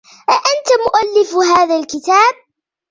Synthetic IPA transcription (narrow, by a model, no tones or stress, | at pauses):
ʔʔant̪amʊʔalːɪfɦaːðalkɪt̪aːb̚